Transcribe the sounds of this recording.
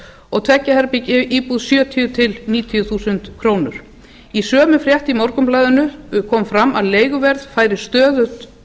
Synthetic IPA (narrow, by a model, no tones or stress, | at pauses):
ɔɣt̪ʰvɛcːahɛɾpicɪiːpuðsjœːt̪ʰijʏt̪ʰɪlniːt̪ʰjʏθuːsʏnt̪kʰɾoːwnʏ̰ɾ̥ | isœːmʏfɾjɛht̪imɔɾkʏmplaːjðʏnʏkʰɔːmfɾamːaðleːjɣʏvɛɾðfaːjɾɪst̪œːðʏt̪